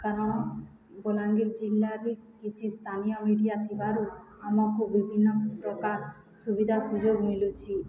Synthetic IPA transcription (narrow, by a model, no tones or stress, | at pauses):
kanɔ | bolaŋɡiɾd͡ʒilːaɾikit͡ʃʰist̪ʰanijɔmiɖijat̪ʰibaɾuamɔkubːibʱinːɔpɾɔkaɾ | subid̪ʱasud͡ʒoɡmilut͡ʃʰi